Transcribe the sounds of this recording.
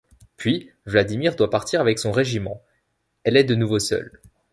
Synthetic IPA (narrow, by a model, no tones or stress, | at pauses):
pɥi | vlad̪imiʁd̪wapaʁt̪ʰiʁavɛksɔ̃ʁeʒimɑ̃ | ɛlɛd̪ənuvosœ̰l